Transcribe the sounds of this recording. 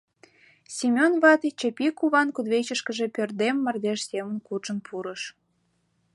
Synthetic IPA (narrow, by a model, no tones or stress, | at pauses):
sʲemʲonβɑt̪it͡ɕəpʲikuβɑnkud̪βet͡ɕəʃkəʒe̽pʲørd̪emːɑrd̪eʃsemənkut͡ʃə̆npʰuɾəʃ